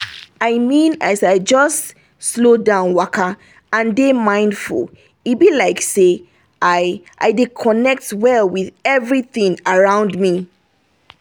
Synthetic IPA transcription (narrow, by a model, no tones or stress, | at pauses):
aɪmĩnazaɪd͡ʒʌst | slodãʊ̃nwɔkʰə | ãndemãɪ̃nd̥fṵlˠ | ibilaɪkse | ʔaɪʔa̰ɪdekʰɔnɛk̚twɛlwiðɛvɹiθĩŋəɹãʊ̃ndmi